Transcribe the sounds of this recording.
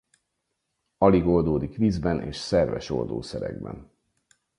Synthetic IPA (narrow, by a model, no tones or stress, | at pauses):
ɒliɡo̞ld̪oːd̪ikʋiːzbɛnʔeːʃsɛrvɛʃo̞̰ld̪o̰ːsɛɾɛ̰ɡ̚bɛn